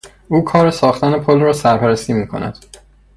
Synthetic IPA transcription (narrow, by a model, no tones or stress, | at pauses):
ʔuːkʰɒːɾesɒːxt̪ænepʰolrɒːsæɾpʰæɾæst̪iːmiːkʰo̞̰næ̰d̪̥